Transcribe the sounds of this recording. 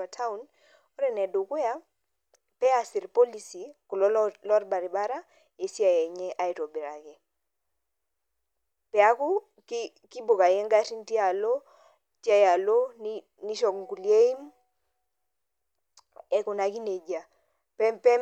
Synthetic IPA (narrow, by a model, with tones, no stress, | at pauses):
a˨tʰa˦u˨n | ɔ˦ɾɛ˨nɛ˨do˨kwja˦ | pɛ˦a˨si˨ɾpɔ˦li˨si˨ku˨lɔ˦lɔ˦rba˨ɾi˨ba˦ɾa˦ | e˨si˦a˨jɛ˨ɲɛ˦ʔa˦i˨tɔ˨bi˨ɾa˨kɛ˨ | pɛ˨a˦ku˦ | ki | ki˦bo˨ka˨jɛ˦ŋɡa˦ti˦n˦ti˦a˨lo˦ | ti˦a˦ja˨lo˦ni | ni˦ʃɔ˨kŋɡu˨lje˦i˦m | ɛ˦ku˨na˨ki˦ne˨d͡ʒa˨ | pɛpɛ˦